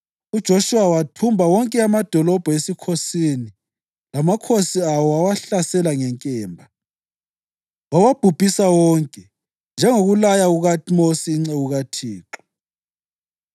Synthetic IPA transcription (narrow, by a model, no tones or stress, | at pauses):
ud̥ʒ̥ʱoʃuwawatʰumbʱawɔŋkʼɛamad̥ʱɔlɔb̥ʱɔesikʰosini | lamakʰosiawɔawaɬasɛlaŋɛŋkʼɛːmbʱa | wawab̥ʱub̥ʱisawɔŋkʼɛ | nd͡ʒʱɛŋoɣulajaɣuɣamosiːŋ͡ǀɛɣuɣatʰiːǁɔ̥